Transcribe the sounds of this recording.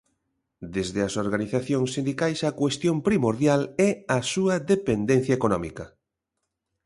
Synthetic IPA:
d̪ezðeɐsoɾɣaniθaθjoŋsːind̪ikajsɐkwest̪jõmpɾimoɾðjalɛɐsuɐðepend̪en̟θjaekonɔmikɐ

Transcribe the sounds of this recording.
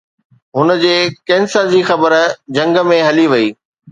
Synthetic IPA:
ɦʊnə̆d͡ʑeːkẽːnsəɾd͡ʑiːxɐbəɾd͡ʑɐ̃ŋɡmẽɦɐliʋɐiː

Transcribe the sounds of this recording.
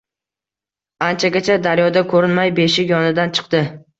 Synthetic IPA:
ant͡ʃʰaɡʲat͡ʃʰad̪aɾjɒd̪akʰɵɾɪnmajbeʃɪjɒnɪd̪ant͡ʃʰɨ̥qt̪ɪ

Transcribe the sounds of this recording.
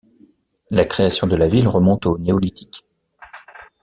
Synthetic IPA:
lakχeasjɔ̃d̪əlavilʁəmɔ̃t̪oneɔlit̪ʰi̥k

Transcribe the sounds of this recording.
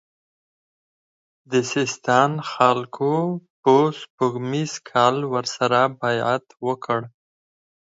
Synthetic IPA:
d̪əsɪst̪ɑnxalkʰopəspəɣmizkʰɑlwəɾsaɾabajat̪wəkʰəɽ

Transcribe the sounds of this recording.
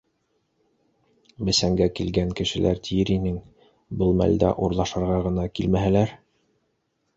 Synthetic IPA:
bɘ̆sæŋɡækilɡæŋkɘ̆ʃɘ̆lʔæ̰ɾt̪ʰijɘɾinɘŋ | bɤlˠmæ̰ld̪æ̰ʔuɾlˠɑʃɤ̆ɾʁɑʁɤ̆nɑkilmæɦælæɾ

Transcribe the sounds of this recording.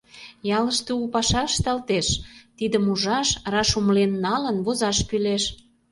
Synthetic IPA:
jɑləʃt̪eupɑʃɑʃt̪ɑlt̪eʃt̪id̪əmuʒɑʃrɑʃumlenːɑlənβozɑʃkyleʃ

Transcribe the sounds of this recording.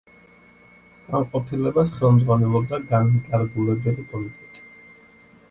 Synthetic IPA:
amqʼɔpʰilɛbasχɛlˠmd̪zʁwanɛlˠɔb̚d̪aɡanmt̪ʼaɾɡulɛbɛlipʼɔlit̪ʼɛt̪ʼi̥

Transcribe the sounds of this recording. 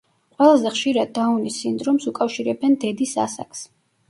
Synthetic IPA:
qʼwɛlˠazɛχʃiɾad̪̚ːaunisind̪ɾɔmsukʼafʃiɾɛbɛnd̪ɛd̪isa̰sa̰ks

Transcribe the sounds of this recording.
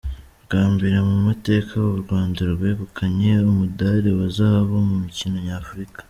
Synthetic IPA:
ɡ̥aːmbiɾamumate̞ːkʰaβoβuɾɡwaːndiɾobɡeːβukʰaɲe̞umudaɾewazaːβo̞mumicino̞ɲaːfuɾikḁ

